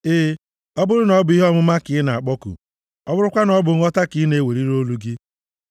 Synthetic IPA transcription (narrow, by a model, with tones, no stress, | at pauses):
ɪː˦ | ɔ˦bʊ˦ɾʊ˦nɔ˨˦bʊ˨i˦ɦɔ˦mʊ˦ma˦kɪ˨˦na˨a˨k͡pɔ˦kṵ˨ | ɔ˦bʊ˦ɾʊ˦kʷa˦nɔ˦bʊ˨ŋ̩˦ɔ˦ta˦kɪ˨˦ne˨˦we˨ɾi˦ɾo˦lu˦ɡɪ˦